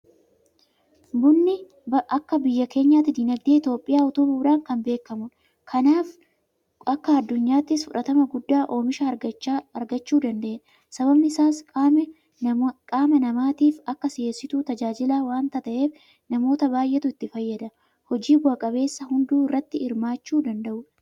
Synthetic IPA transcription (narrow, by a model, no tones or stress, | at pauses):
bʊnːɪ | ʔɐkːɐbɪjːɐke̞ːɲːaːt̪ɪd̪ɪnɐɡ̚d̪eːɪt̪jo̞ːpʼːɪjaːɔt̪ʊbuːᶑaːŋkɐmbe̞ːkːɐmʊ | kʰɐnaːf | ɐkːɐːd̪ːʊɲːaːt̪ːɪsfʊᶑɐt̪ɐmɐɡʊd̪ːaːʔo̞ːmɪʃɐɐɾɡɐt͡ʃːuːd̪ɐnd̪ɐʔeʔ | sɐbɐbnɪɪsaːs | kʼaːmɐnɐmaːt̪iːfɐkːɐsɪjesɪt̪uːt̪ɐd͡ʒaːd͡ʒɪlaːwaːnt̪ɐt̪ɐʔe̞ːf | nɐmo̞ːt̪ɐbaːjʔɛt̪ʊɪt̪ːɪfɐjːɐd̪ɐ | hɔd͡ʒiːbʊɐkʼɐbe̞ːsːɐhʊnd̪uːɪrːɐt̪ːɪɪɾmaːt͡ʃːuːd̪ɐnd̪ɐʔʊ